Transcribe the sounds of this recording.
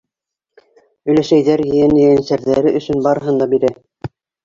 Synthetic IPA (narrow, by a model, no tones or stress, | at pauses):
ɵ̆jlæʃæjðæɾjɘ̆jænjɘjænsæɾðæɾɘʔɵ̆sɵnbɑɾɤ̆ɦɤnd̪ɑbiɾæ